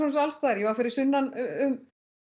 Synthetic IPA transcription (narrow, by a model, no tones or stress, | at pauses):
ɔnsalst̪aːɾjɛvafɪɾɪɾ̥sʏnːanʏm